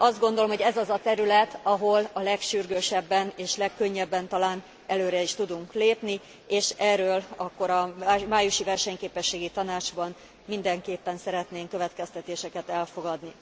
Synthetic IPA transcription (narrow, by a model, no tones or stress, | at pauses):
ɒzd̪̚ɡo̞nd̪o̞lomɦo̞ɟɛzɒzɒt̪ɛɾylɛt̪ʰɒɦo̞lɒlɛkʃyrɡøːʃɛbːɛneːʃlɛkːøɲːɛbːɛnt̪ɒlaːn | ɛløːɾɛiʃt̪ud̪uŋkleːpni | eːʃɛːrːøːlɒkːo̞ɾɒmaːjuʃivɛrʃɛɲkeːpɛʃːeːɡit̪ɒnaːd͡ʒbɒn | mind̪ɛŋkeːpːɛnsɛɾɛt̪neːŋkø̞vɛt̪kɛst̪ɛt̪eːʃɛkɛt̪ɛlfo̞ɡɒd̪ni